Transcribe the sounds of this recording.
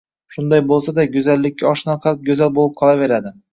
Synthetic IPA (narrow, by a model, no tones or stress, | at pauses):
ʃʊnd̪ajbolˠsad̪aɡʊzalːɪkʲːaɒʃnɒqʰɑlˠɪp̚ɡʲɵzalbolˠɪp̚qʰɒlˠave̞ɾad̪ɪ